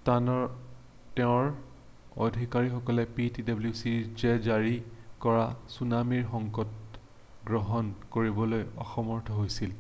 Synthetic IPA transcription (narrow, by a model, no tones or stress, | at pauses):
tanɔ | tɛʊ̃ɹ | odʱikaɹixɔkɔlɛpitidablusiɹd͡ʒɛzaɹikɔɹasunamiɹxɔŋkɔt̚ | ɡɹɔɦɔnkoɹibɔlojɔxɔmɔɹtʰɔɦojsil